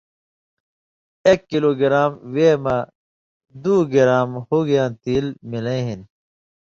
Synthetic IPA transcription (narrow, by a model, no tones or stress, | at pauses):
eːkːiloːɡiɾaːmweːma | d̪uːɡiɾaːmhuɡijãːt̪iːlmilẽɦin